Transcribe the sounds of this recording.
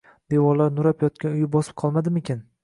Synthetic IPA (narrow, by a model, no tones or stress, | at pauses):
d̪̥e̞wɒlaɾnʊɾapjɒt̪̚kʲanʊjɪbɒsɪ̥p̚qʰɒlˠmad̪ɪmekʲan